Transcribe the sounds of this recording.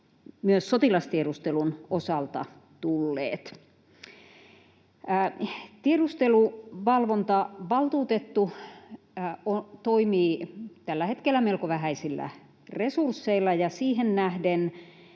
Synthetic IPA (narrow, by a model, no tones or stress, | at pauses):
myøsːot̪ilɑst̪ieɾust̪elunosɑlt̪ɑ̰ | t̪ulːḛːt̪ | t̪ieɾust̪eluʋɑlʋont̪ɑʋɑlt̪uːt̪et̪ːu | ot̪oimiːt̪ælːæhet̪kelːæmelkoʋæɦæisilːæ̰ | resursːeilːɑjɑsiːhennæhden